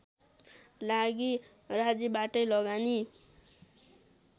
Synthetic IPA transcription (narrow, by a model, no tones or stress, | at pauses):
laɡi | rad͡zibaʈʌjlʌɡani